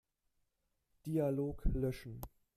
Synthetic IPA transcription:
d̥ialoːklœʃn̩

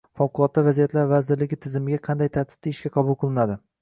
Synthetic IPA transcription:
fɒwqʊlˠɒt̪ːavazijat̪laɾvazɪɾlɪɡʲɪt̪ʰɪzɪmɪɡʲaqʰɑnd̪ajt̪ʰaɾt̪ʰɪ̥b̚t̪aɪʃkʲaqʰɑbʊlˠqʰɨlˠɪnad̪ɪ

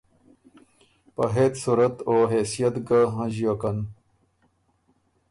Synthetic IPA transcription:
pɐɦet̪suɾɐt̪oːɦeːsijat̪ɡaɦãʑijokɐn

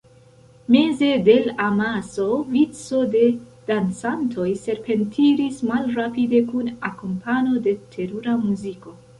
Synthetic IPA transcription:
me̞ze̞de̞lamaso̞vit͡so̞de̞ | d̥ant͡santʰo̞jse̞ɾpe̞ntʰiɾismalɾapide̞kunakompʰano̞de̞tʰe̞ɾuɾamuziko̞

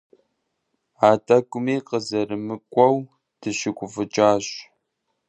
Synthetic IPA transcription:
aːtʼɐɡʷʊmeːqəzɐrɨmɨkʷʼɐw | d̥ɨɕɪɡʷʼʊfɨt͡ʃʼaːɕ

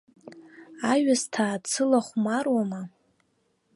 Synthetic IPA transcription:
aɥastʰaːt͡sʰɨlaχʷmarwama

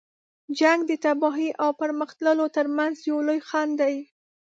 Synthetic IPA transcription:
d͡ʒaŋɡd̪ət̪abɑɦiʔawpəɾməxt̪ləlot̪əɾmanzjawlojxand̪aj

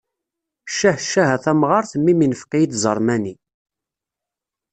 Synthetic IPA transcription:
ʃːæħʃːæɦæθæmʁɑɾθəmːiminəfqijid̪zˤəɾˤmæni

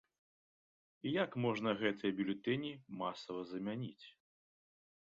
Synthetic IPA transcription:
ijakmɔʐnɐɣɛt̪ɨjɐbʲulʲut̪ɛnʲimasɐvɐzɐmʲanʲit͡sʲ

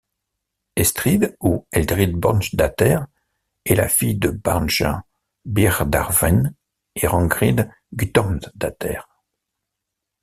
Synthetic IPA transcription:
ɛst̪χid̪uɛld̪ʁid̪bɔʁnʃd̪at̪ɛʁ | ɛla̰fijd̪əbaʁnʃã̰ | biʁd̪a̰ʁvɛn | eʁɑ̃ɡʁid̪ | ɡyt̪ɔ̃nt̪d̪at̪ɛ̰ʁ

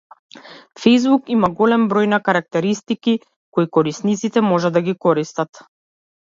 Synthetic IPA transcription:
fɛjzbukimaɡɔlɛmbɾɔjnakaɾak̚t̪ɛɾist̪iki | kɔikɔɾisnit̪sit̪ɛmɔʒad̪aɡikɔɾist̪at̪

